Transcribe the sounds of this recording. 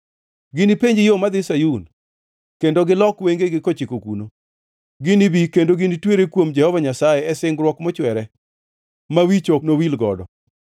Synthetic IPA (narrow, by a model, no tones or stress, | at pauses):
ɡɪnipeɲd͡ʒɪjomad̪ɪsajun | kendoɡɪlɔkweŋɡeɡɪkot͡ʃɪkokuno | ɡɪnibikendoɡɪnitweɾekwomd͡ʒɛhɔvaɲasajɛɛsɪŋɡɾwɔkmɔt͡ʃwɛɾɛ | mawit͡ʃonowilɡɔ̰dɔ̰